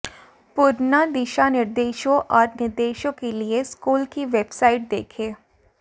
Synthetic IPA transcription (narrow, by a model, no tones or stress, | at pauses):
pʊɾnad̪ɪʃanɪɾd̪eːʃõʔɔːɾnɪɾd̪eːʃõkelieskuːlkiʋeːbsaːɪʈ̚d̪ḛːkʰẽː